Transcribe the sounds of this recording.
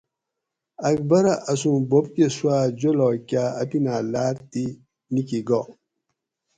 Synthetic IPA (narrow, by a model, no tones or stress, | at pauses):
ak̚bɐɾaʔasũbop̚keswad͡ʒolɔkʲaapinalaːɾti | nikiɡɔ